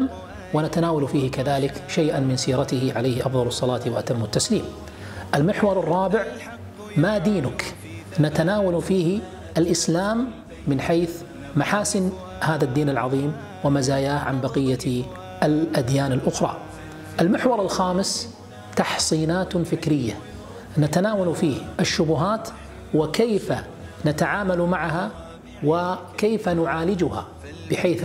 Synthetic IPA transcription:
m | wɪnat̪anaːwalfiːhɪkaðaːlɪkʃajʔanmɪnsiːɾˤɑt̪ɪhɪʕalajhɪʔɑfðˤɑlɑsˤːɑlɑːt̪waʔat̪amːʊt̪ːasliːm | ʔalmɪħwɑɾˤɨrˤːɑːbɪʕ | mad̪iːnʊk | nat̪anaːwalfiːhɪ | ʔalʔɪslaːmː | ɪnħajθ | maħaːsɪn | haːðad̪ːiːnɪlʕɑ̰ðˤiːm | wɪmazaːjaːhʕanbɑqɪjːa | ʔɪlʔad̪jaːnɪlʔʊxɾˤɑ̰ː | ʔɪlmɪħwɑɾˤɪlxaːmɪs | t̪ɑħsˤiːnaːt̪fɪkɾɪjːa | nat̪anaːwalufiːhʔɪʃːʊbʊɦaːt̪ | wɪkeːfa | nat̪aʕaːmalmaʕɦa | wɪkeːfanʊʕaːlɪd͡ʒʊha̰ | b̥ɪħeːθ

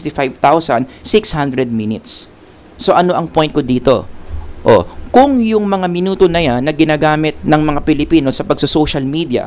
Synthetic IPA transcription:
t̪ɪfajvt̪awsɐnsɪkshand̪ɾɛd̪̚minɪt̪sː | o̞ʔɐno̞ʔɐŋpo̞jn̚kod̪iːt̪o̞̰ʔo̰kʊŋjʊŋmɐŋamɪnuːt̪onɐjanːɐɡɪnaːɡaːmɪt̪̚nɐŋmɐŋapɪlɪpiːnosɐpɐɡ̚sɐsoʃɐlmid̪jɐ̰

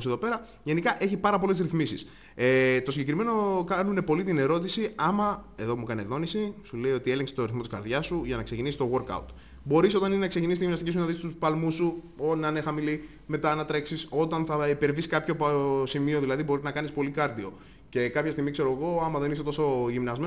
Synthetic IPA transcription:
seðo̞pe̞ɾɐ | ʝe̞nikɐʔe̞çipɐɾɐpo̞le̞zɾiθmisis | et̪osiɲɟekɾime̞no̞kɐnune̞po̞lit̪ine̞ɾo̞t̪isiɐmɐe̞ðo̞mukɐneðo̞nisisule̞io̞t̪ie̞leŋkse̥t̪oɾiθmot̪iskɐ̰ɾðʝɐsuʝɐnɐksecinisist̪o̞ɣo̞ɾkɐ̰wt̪ | bo̞ɾiso̞t̪ɐninenɐksecinist̪iʝimnɐst̪cis̬unɐðist̪uspɐlmusːu | onɐnexɐmili | me̞t̪ɐnɐt̪ɾeksiso̞t̪ɐnθɐipe̞ɾviskɐpço̞psimio̞ðilɐðibo̞ɾiznɐkɐnispo̞likɐɾt̪io̞ | ce̞kɐpçɐst̪iɣmikse̞ɾo̞eɣo̞ɐmɐðe̞niset̪o̞so̞ʝimnɐzme

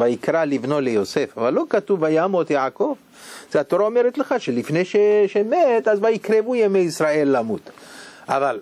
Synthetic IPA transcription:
vajikɾalivno̞lejosefavalːo̞kat̪uvajamot̪jako̞v | z̥ehat̪oɾaomeɾet̪leχaʃelifneʃeʃemet̪azvajikɾevujemejisɾae̞lːamut̪ʔaval

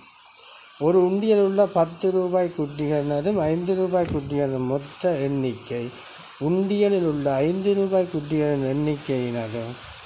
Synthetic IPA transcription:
ɔɾɯʊɳɖɪjɐlɯɭːɐpɐt̪ːɯɾuːbaːjkːʊʈːɪɣɐnɐðɯmɐɪnd̪ɯɾuːbaːjkːʊʈːɪɣɐnɐðɯmːɔt̪ːɐɛɳːɪkːɐɪ | ʊɳɖɪjɐlɪlʊɭːɐːɪnd̪ɯɾuːbaːjkuʈːɪɣɐɭɯnɛɳːɪkːɐjɪnɐðɯm

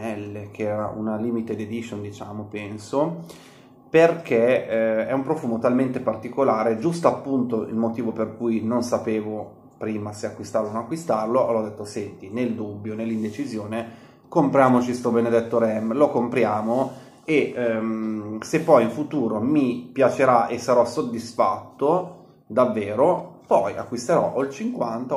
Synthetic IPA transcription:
ɛlːek̟eɛːɾaʔṵnaliːmit̪ed̪ed̪isond̪it͡ʃaːmopɛnso | perkʰeɛumpɾofuːmot̪alment̪epart̪ikolaːɾed͡ʒust̪oapːunt̪oḭlmot̪iːvoperkujnonsapeːvo | pɾiːmaseakwist̪aɾrlononakːwist̪arloʔɔlɔd̪ːet̪ːosɛnt̪ineld̪ubːjonelːind̪et͡ʃizjoːne | kompɾjaːmot͡ʃist̪obened̪ɛt̪ːoɾɛmlokompɾjaːmo | e | sepːɔjiɱfut̪uːɾomipjat͡ʃeɾaʔesːaɾɔsod̪ːisfa̰t̪ːo | d̪avːeːɾopɔja̰kːwist̪eɾɔ̰ʔolt͡ʃiŋkwant̪a

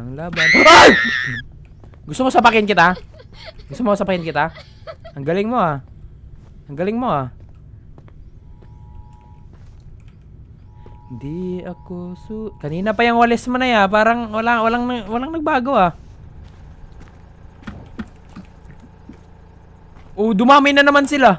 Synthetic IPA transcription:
aŋlabanaɾa | ɡust̪umosapakɪnkit̪a | ɡust̪umosapakɪnkit̪a | aŋɡalɪŋmoa | aŋɡalɪŋmoa | nd̪iakosukɐniːnapajaŋwalɛsmanajapaːɾaŋwalawalaŋnwalaŋnɐɡ̚baːɡoa | ʔod̪umaminanɐmansɪla

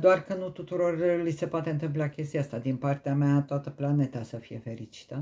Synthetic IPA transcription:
d̪oarkənut̪ut̪uɾo̞rlise̞poat̪e̞ɨnt̪ɨmp̬lakʲe̞st̪iast̪ad̪inpart̪eameat̪oat̪əplane̞t̪asəfije̞̰fe̞ɾit͡ʃi̥t̪ə

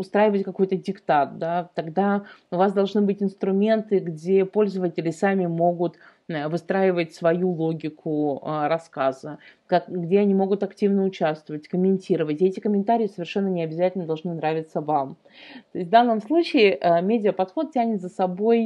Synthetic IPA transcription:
ʊst̪ɾajɪvətʲkɐko̞jt̪ədʲɪkt̪at̪̚d̪at̪ɐɡd̪aʊvasd̪ɐlˠʐnɨbɨtʲɪnst̪ɾʊmʲe̞nt̪ɨɡdʲe̞po̞lʲzəvətʲɪlʲɪsamʲɪmo̞ɡʊt̪ | vɨst̪ɾaɪvətʲsvɐjulˠoɡʲɪkʰʊəɾɐskazəkakɡdʲeɐnʲimo̞ɡʊt̪ɐktʲivnəʊt͡ɕast̪vəvətʲkəmʲɪnʲtʲiɾəvətʲɛtʲɪkəmʲɪnt̪aɾʲɪjɪsəvʲɪrʂɛnːənʲɪɐbʲɪzatʲɪlʲnəd̪ɐlˠʐnɨnɾavʲɪt̪səvam | t̪oɪsʲt̪ʲvd̪anːəmslˠut͡ɕɪɪʔəmʲedʲɪəpɐt̪xo̞t̪̚tʲænʲɪt̪zəsɐbo̞j

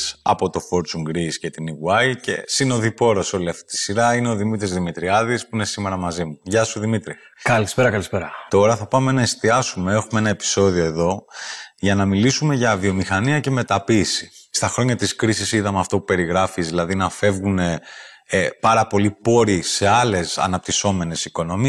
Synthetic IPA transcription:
sɐ̰po̞t̪o̞fo̞ɾt͡suŋɡɾisce̞t̪iniɣuɐjce̞̰sino̞ðipo̞ɾoso̞liɐft̪i̥t̪i̥siɾɐine̞o̞ðimit̪ɾizðimit̪ɾiɐðispuinesime̞ɾɐmɐzimuʝɐsuðimit̪ɾi | kɐlispeɾɐkɐlispeɾɐt̪o̞ɾɐθɐpɐme̞nɐe̞st̪iɐsume̞e̞xumee̞nɐe̞pi̥so̞ðio̞e̞ðo̞ʝɐnɐmilisume̞ʝɐvio̞mixɐniɐce̞me̞t̪ɐpiːsi̥st̪ɐxɾo̞ɲɐt̪iskɾisisiðɐmeɐft̪o̞pupe̞ɾiɣɾɐfizðilɐðinɐfe̞vɣune̞ | pɐɾɐpo̞lipo̞ɾise̞ɐle̞sɐ̰nɐp̚t̪iso̞me̞ne̞siko̞no̞mi

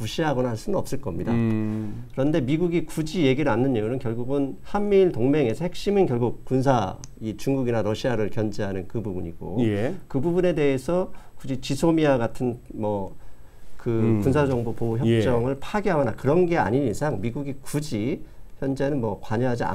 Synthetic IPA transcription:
puɕʰiɦaɡʌnahaɭs͈unɯnʌp̚s͈ɯɭk͈ʌmɲida | kɯɾʌnde̞miɡuɡikud͡ʑije̞ɡiɾɯɭanːɯnejunɯnkjʌɭɡuɡɯnhamːiɭtoŋme̞ŋe̞sʰʌhek̚ɕ͈imɯnkjʌɭɡuk̚k͈unsʰait͡ɕuŋɡuɡinaɾʌɕʰiaɾɯɭkjʌnd͡ʑiɦanɯnkɯbubuɲiɡ̥o̰ekɯbubune̞de̞esʰʌkud͡ʑit͡ɕisʰomiaɡatʰɯnmʌ | kɯkunsʰad͡ʑʌŋbopoçjʌp̚t͡ɕ͈ʌŋɯɭpʰaɡeɦaɡʌnakɯɾʌnɡe̞a̰ɲiɲisʰaŋmiɡuɡikud͡ʑiçjʌnd͡ʑe̞nɯnmwʌkwaɲʌɦad͡ʑia̰

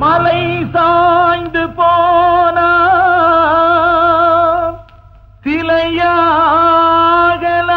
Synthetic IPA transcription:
mɐlɐɪsajnd̪ɯpoːna | t̪ɪlɐja | ɣɐl

